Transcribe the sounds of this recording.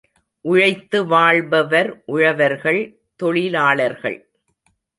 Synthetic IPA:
ʔʊɻɐɪt̪ːɯʋaːɭbɐʋɐɾʔʊɻɐʋɐɾɣɐɭ | t̪ɔɭɪlaːɭɐɾɣɐ̰ɭ

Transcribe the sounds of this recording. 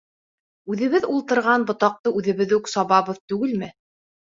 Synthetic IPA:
ʉðɘ̆βɘðulˠt̪ɤ̆ɾʁɑnbŏt̪ɑq̚t̪ɤʉðɘ̆βɘðʉksɑβɑβɤðt̪ʉɡɘlmɘ

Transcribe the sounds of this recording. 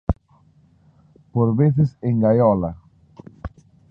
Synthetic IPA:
poɾβeθɪsẽŋɡajɔlɐ

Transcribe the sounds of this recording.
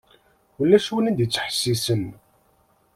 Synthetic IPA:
əlːæʃuwənænd̪jət͡sːə̥ħsːisən

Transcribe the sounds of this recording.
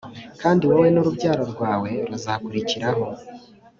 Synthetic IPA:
kaːndiwowe̞noɾubɟaːɾo̞ɾɡwaːwe̞ɾuzakuɾiciɾaɦo̞

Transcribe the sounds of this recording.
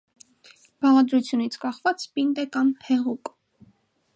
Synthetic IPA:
b̥ɑʁɑd̪ɾut͡sʰjunit͡sʰkɑχvɑt͡spint̪ɛkɑmhɛʁuk

